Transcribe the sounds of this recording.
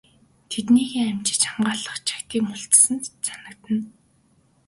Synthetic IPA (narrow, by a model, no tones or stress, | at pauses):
t̪ʰet̪niːɣeːŋæmt͡ɕɪ̥̆t͡ɕamɢaːɮə̆χt͡ɕʰḁkt̪ʰiːkmʊɬt͡ssə̆nt͡sanə̆kt̪ə̆n